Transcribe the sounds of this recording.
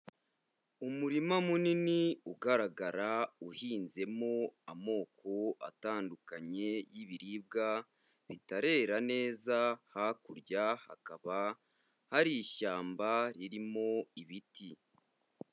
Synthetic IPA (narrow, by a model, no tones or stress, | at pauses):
umuɾimamuniniuɡaɾaɡaɾauhiːnze̞mo̞amo̞ːkʰo̞a̰taːndukaɲe̞jiβiɾib̚ɡa | βitaɾe̞ːɾane̞ːzahakuɾɟaha̰kaβa | haɾiːʃaːmbaɾiɾimo̞iβiti